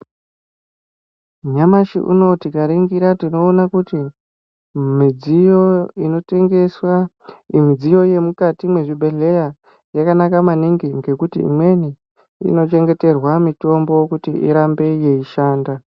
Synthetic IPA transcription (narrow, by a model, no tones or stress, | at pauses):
ɲamaʃḭʔṵno̞tikaɾiŋɡiɾatino̞ːnakuti | mid͡zijo̞ino̞te̞ŋɡe̞swa | imid͡zijo̞je̞mukatimwe̞ʐibʱe̞ɮe̞ja | jakanakamaniŋɡiŋɡe̞kutḭḭmwe̞ni | ḭno̞t͡ʃe̞ŋɡe̞te̞rwamito̞mbo̞kutiḭɾambe̞je̞iʃaːnda